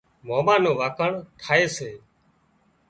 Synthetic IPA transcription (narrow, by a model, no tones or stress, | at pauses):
moːmãːnõːʋaːkʰəɳt̪ʰaːeːseː